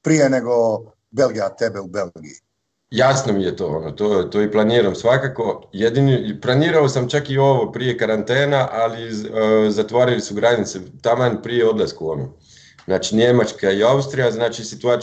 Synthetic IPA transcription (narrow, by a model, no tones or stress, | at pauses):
pɾijeneɡo | belɡijat̪ebeubelɡḭi | jasnomije̞t̪o̞̰onot̪ot̪oːiplˠaniːɾamsʋakako̞jed̪iniplˠaniːɾaosamt͡ʃakio̞ʋopɾije̞kaɾant̪eːnaʔalizat̪ʋaːɾilisuɡɾad̪nit̪set̪amanpɾijeo̞d̪lˠaskuono | znaːt͡ʃinʲemat͡ʃkaiaust̪ɾijaznaːt͡ʃisit̪uaː